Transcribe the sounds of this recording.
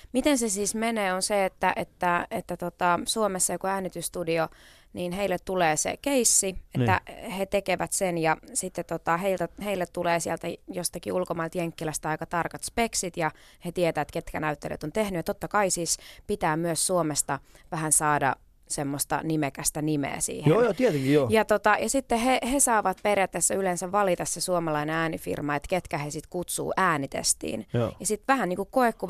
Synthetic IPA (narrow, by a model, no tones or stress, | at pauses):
mit̪ensesiːsmeneːonseet̪ːæʔet̪ːæet̪ːæt̪ot̪ɑsuomesːɑjokoæːnit̪yst̪udio | niːnheilːet̪t̪uleːsḛkeisːiet̪ːæ̰het̪ekeʋæt̪senjɑsit̪ːet̪ot̪ɑheilt̪æheilːet̪t̪uleːsiɛlt̪æjost̪ɑkiulkomɑilt̪jeŋkːilæst̪æɑikɑt̪ɑrkɑt̪speksit̪jɑ | het̪iet̪æːet̪ket̪kænæyt̪ːelḛt̪ont̪ehnyjɑt̪ot̪ːɑkɑisispit̪æːmyøssuomest̪ɑʋæhænsɑːdɑ̰ | semːost̪ɑ̰nimekæst̪ænimḛːsḭːhejonjot̪iet̪eŋkijoːjɑt̪ot̪ɑjɑsit̪ːehehesɑːʋɑt̪̚perjæt̪ːesːæylensæʋʋɑlit̪ɑssesuomɑlɑineæːnifḭrmɑet̪ket̪kæhesit̪kut̪sṵːʔæːnit̪ḛst̪ḭːnjojɑsit̪ʋæhænniːŋkukkoekːu